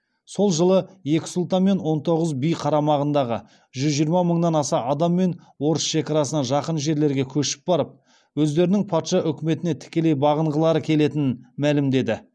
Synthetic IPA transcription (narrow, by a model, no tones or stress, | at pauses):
so̞lˠʒəlˠəje̞kʲɪ̥sulˠt̪ɑnme̞nwo̞nt̪ʰo̞ʁəzbijqʰɑɾɑmɑʁənd̪ɑʁə̰ | ʒʏzʒijəɾmɑməɴnɑnɑsɑɑd̪ɑmːe̞n | wo̞ɾəsʃe̞kʲɑɾɑsənɑʒɑqənʒe̞ɾle̞ɾɡʲe̞kʲʰɵʃɪ̥p̚bɑɾəp̚ | wɵzd̪e̞ɾɪnɪŋpʰɑt̪ʃɑʔʏkʲɪme̞t̪ɪne̞t̪ʰɪ̥kʲe̞le̞jbɑʁəɴʁəlˠɑɾəkʲʰe̞le̞t̪ɪnɪnmælɪmd̪e̞d̪ɪ